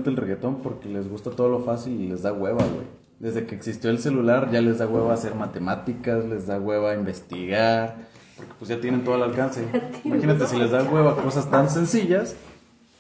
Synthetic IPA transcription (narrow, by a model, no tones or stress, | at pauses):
t̪elreɣe̞t̪o̞mpo̞ɾkele̞zɣust̪at̪o̞ðo̞lo̞fasilile̞zðaɣwe̞βa̰ɣwḛj | d̪e̞zðe̞ke̞ːksist̪jo̞else̞lulaɾʝale̞zd̪aɣwe̞βaːse̞ɾmat̪e̞mat̪ikasle̞zd̪aɣwe̞βaimbe̞st̪iɣaɾpo̞ɾke̥pwezʝat̪je̞nent̪o̞ðelalkanseimaxinat̪̬e̞sile̞zðaɣwe̞βako̞sast̪anse̞nsiʝas